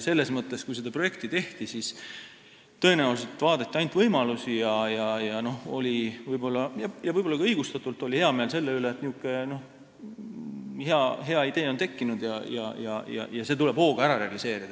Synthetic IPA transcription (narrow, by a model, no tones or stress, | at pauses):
se̞lːe̞smɤt̪ːˑe̞skujs̬ed̪ɑpro̞je̞k̚t̪it̪e̞ht̪isis | t̪ɤ̞e̞næuset̪ːvɑːd̪et̪ːiɑjnt̪vɤjmɑlusijɑjɑjɑno̞ho̞lʲivɯjbo̞lːɑjɑjɑvɯjb̥oːɑɡɑɤjɡ̥ust̪ɑt̪ːˑult̪ːˑo̞lʲihe̞ɑme̞ːlse̞lːeyleːt̪niukːˑe̞no̞h | he̞ɑɦe̞ɑid̪e̞ːont̪e̞kːinud̪̥jɑ̰jɑ̰jɑ̰jɑ̰jɑse̞ːt̪ule̞b̥ho̞ːɡ̥ɑæɾɑɾe̞ɑlise̞ːɾid̪̥ɑ